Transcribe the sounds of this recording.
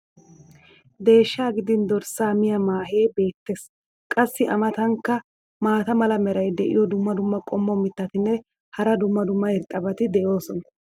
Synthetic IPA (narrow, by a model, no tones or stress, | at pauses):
d̪e̞ːʃːaːɡɪd̪ɪnd̪ɔɾsaːmɪjɐmaːɦe̞ːbe̞ːt̪ːe̞ːs | kʼɐsːɪʔɐmɐt̪ɐŋkːɐ | maːt̪ɐmɐlɐmɛɾɐjd̪ɛʔɪ̰jɔd̪ʊmːɐd̪ʊmːɐkʼɔmːɔmɪt̪ːɐt̪ɪnːɛ | hɐɾɐd̪ʊmːɐd̪ʊmːɐhɛɾt̪ʼːɐbɐt̪ɪd̪ɛjo̞ːsɔnɐ